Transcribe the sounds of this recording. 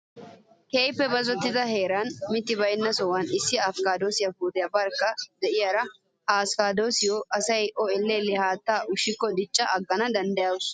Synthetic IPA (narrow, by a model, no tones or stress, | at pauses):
ke̞ːjpːɛbɐzɔt̪ːɪd̪ɐɦe̞ːɾaːnmɪt̪ːɪbɐjnːɐsɔwɐnɪsːɪɐfkaːd̪oːsɪjɐbuːd̪ɪjɐbɐɾkːɐd̪ɛʔɪjɐɾɐ | aːskaːd̪oːsɪjɔʔɐsɐjɔɛlːelɪhaːt̪ːaːʔʊʃːɪkːɔd̪ɪt͡ʃʼːɐʔɐɡːɐnɐd̪ɐnd̪ɐjaːws